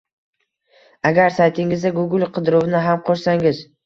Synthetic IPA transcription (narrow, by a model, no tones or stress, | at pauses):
aɡʲaɾsajt̪ʰɪŋɪzd̪aɡʊɡʲɪlˠqʰɨd̪ɪɾʊvnɪɦamqʰoʃsaŋɪz̥